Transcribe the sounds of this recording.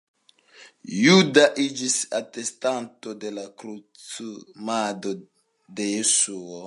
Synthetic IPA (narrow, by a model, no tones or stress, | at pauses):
judaʔid͡ʒisatestantod̪elakɾut͡sumad̪o | d̪e̞jesuo